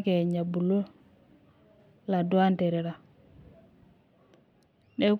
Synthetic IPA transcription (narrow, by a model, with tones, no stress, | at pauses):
ke˨ɲa˨bu˨lo˦ | la˨du˦a˦nte˨ɾe˨ɾa˨ | ɗe˦k